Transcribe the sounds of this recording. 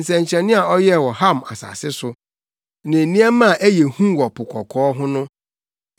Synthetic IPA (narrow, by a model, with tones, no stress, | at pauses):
n̩˨sɛ̃˨ɲ̩˨t͡ɕʰɛ̃˨nɪ̃˦a˨ɔ˦jɛ˦˨wɔ˨ha˦˨ma̰˨sa̰˨sɪ˦sʊ˨ | nɪ̃˨nĩ˦ɛ˦mã˦˨ʔæ˦jɛ˨hũ˦wɔ˨pʰʊ˨kʰɔ˨kʰɔː˨˦ɦʊ̃˦nʊ̃˦